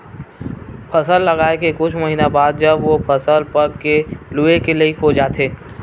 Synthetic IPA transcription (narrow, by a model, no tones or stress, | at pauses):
pʰɐsəlːɐɡaːekekʊt͡ʃʰməɦiːnabaːd̪̚d͡ʒɐbʋopʰɐsəlpɐɾkelʊekelɐikʰod͡ʒaːt̪ʰeː